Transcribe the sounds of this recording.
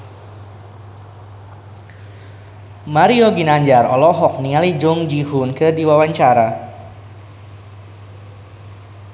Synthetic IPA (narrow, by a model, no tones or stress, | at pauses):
maɾioɡinaɲd͡ʒarɔ̰lɔɦɔk̚nialid͡ʒʊŋd͡ʒiɦʊnkərdiwawaɲt͡ʃaɾa